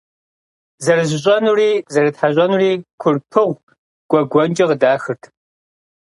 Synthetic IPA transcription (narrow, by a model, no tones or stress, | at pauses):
zɐɾɨzɪɕ̬ʼɐnuriːzɐɾɨtħaɕ̬ʼɐnuriːkʷʰʊrpʰɨʁʷ | ɡ̥ʷɔɡʷɔnd͡ʒʼɐʁədaːxɨrtʰ